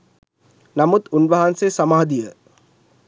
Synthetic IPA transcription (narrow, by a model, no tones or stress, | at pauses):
namut̪unʋɐɦansesamaːd̪ijə